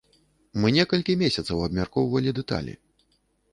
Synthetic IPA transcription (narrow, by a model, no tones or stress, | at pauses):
mɨnʲɛkɐlʲkʲimʲesʲɐt̪sɐwɐbmʲarkɔwvɐlʲid̪ɛt̪a̰lʲḭ